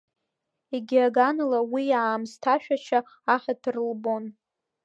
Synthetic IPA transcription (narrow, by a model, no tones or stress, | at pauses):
eɡʲiaɡanlawijaːmstʰaʃᶣat͡ʃʰaː | ħatʰɨrlbo̞n